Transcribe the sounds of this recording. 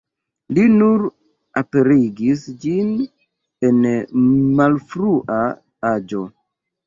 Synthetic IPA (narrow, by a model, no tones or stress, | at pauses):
linuɾ | ape̞ɾiɡisd͡ʒin | e̞n | malfɾuʔa | ad͡ʒo̞